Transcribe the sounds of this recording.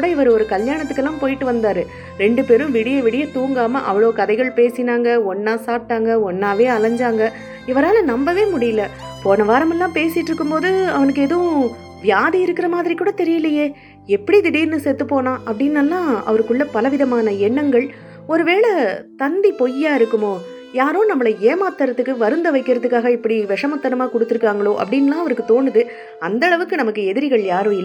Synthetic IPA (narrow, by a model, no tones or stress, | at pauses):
ɽɐɪʋɐɾɯɔɾɯkɐljaːɳɐt̪̬ːɯkːɛlːãːmpoːjɪʈːɯʋɐnd̪aːɾɯ | ɾɛɳɖɯpeːɾɯ̃ʋɪɽɪjɐʋɪɽɪjɐt̪uːŋɡaːmɐʔɐ̰ʋɐɭoːkɐðɐɪɣɐɭpeːsɪnaːŋɡɐɔnːaːsaːp̚ʈːaːŋɡɐɔnːaːʋeːɐlɐɲd͡ʒaːŋɡɐ | ɪʋɐɾaːlɐnɐmbɐʋeːmʊɽɪjɪlɐpoːnɐʋaːɾɐmɛlːãːpeːsɪʈːɾɯkːɯmpoːðɯɐʋɐnɯkːeːðɐʊ̃ | ʋjaːðiɪɾɯkːɪɾɐmaːðɪɾikːuːɽɐt̪ɛɾɪjɐlɐjeː | ɛpːɐɽid̪ɪɽɐjɾɯnd̪ɯsɛt̪ːɯpːoːnãːʔɐpːɽɪnːɐlːãːɐ̰ʋɐɾɯkːɯɭːɐpɐlɐʋɪðɐmaːnɐɛɳːɐŋɡɐɭ | ɔɾɯʋeːɭɐt̪ɐnd̪ipɔjaːɪɾɯkːɯmoː | jaːɾõːnɐmːɐɭɐeːmaːt̪ːɐɾɐðɯkːɯʋɐɾɯnd̪ɐʋɐɪkːɪɾɐðɯkːaːɣɐɪpːɐɽiʋɛʂɐmɐt̪ːɐɾɐmaːkɔɽɯt̪ːɯɾɯkːaːŋɡɐɭoːʔɐ̰pːɐɽɪnːɐlãːɐʋɐɾɯkːɯt̪oːɳɖɯðɯ | ɐnd̪ɐɭɐʋɯkːɯnɐmɐkːɯɛðɪɾɪɣɐɭjaːɾõːɪlːɐ